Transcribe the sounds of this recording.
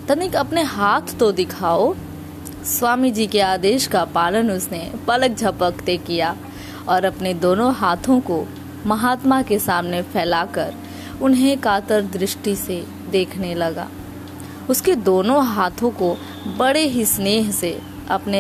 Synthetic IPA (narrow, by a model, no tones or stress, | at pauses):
t̪ɐnikɐpneɦaːt̪ʰːod̪ɪkʰaːo | swaːmid͡ʒiːkeaːd̪eːʃkapaːlənʊsnepɐlək̚d͡ʒʱɐpəkt̪ekijaː | ɔːɾɐpned̪oːnõɦaːt̪ʰõko | mɐɦaːt̪makesaːmnefʰɛːlaːkəɾ | ʊnɦẽkaːt̪əɾd̪ɾɪʃʈise | d̪eːkʰnelɐɡa̰ː | ʊsked̪oːnõɦaːt̪ʰõko | bɐɽeɦisneːɦse | ɐpne